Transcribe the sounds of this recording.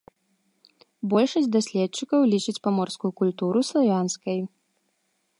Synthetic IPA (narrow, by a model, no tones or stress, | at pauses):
bɔlʲʂɐsʲtʲd̪asʲlʲɛt̪t͡ʂːɨkɐwlʲit͡ʂɨt͡sʲpamɔrskujukulʲt̪uɾuslˠavʲanskɐj